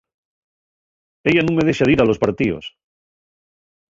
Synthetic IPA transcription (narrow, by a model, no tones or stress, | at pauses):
eʎanũŋmeðeʃaðiɾalo̞spaɾt̪io̰s